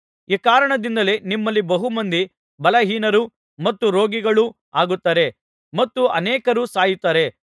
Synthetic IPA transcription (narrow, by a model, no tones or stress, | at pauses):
iːkaːɾɐɳɐd̪ind̪ɐle̞nimːɐlːibɐɦumɐnd̪i | bɐlɐɦiːnɐɾu | mɐt̪ːuɾo̞ːɡiɡɐɭu | aːɡut̪ːaːɾe̞ | mɐt̪ːuɐnɛːkɐɾusaːjit̪ːaːɾe̞